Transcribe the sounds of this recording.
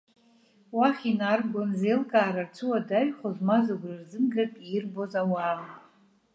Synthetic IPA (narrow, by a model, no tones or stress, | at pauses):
waχʲinarɡonzejlkʼaːɾart͡sʷʰɨwadaɥχozmazaɡʷrɨrzɨmɡatʼirbo̞zawa